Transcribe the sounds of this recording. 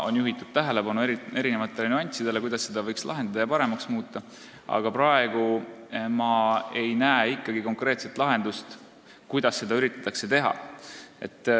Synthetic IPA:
o̞̰njuɦit̪ːˑud̪̥̚t̪æɦe̞le̞bɑnuee̞ɾinevɑt̪ːˑe̞lenuɑnʲt̪ʲsid̪̥e̞le̞kujd̪̥ɑsːe̞d̪ɑvɤjkslʔɑ̰ɦend̪ɑd̪ɑjɑpɑɾe̞mɑksmuːt̪ːˑɑ | ɑ̰ɡ̥ɑpɾɑe̞ɡ̥umɑe̞jnæeikːˑɑɡ̥iko̞ŋkre̞ːt̪se̞t̪lɑɦe̞nd̪̥ust̪ | kujd̪̥ɑsːe̞d̪̥ɑyɾit̪ˑːɑ̥t̪ːˑɑkse̞t̪e̞ɦɑ̰e̞̰t̪ːˑ

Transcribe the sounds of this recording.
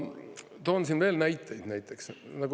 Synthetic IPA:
t̪oːns̬inve̞ːlnæjt̪ːˑejd̪̥næjt̪ːˑe̞ksnɑɡu

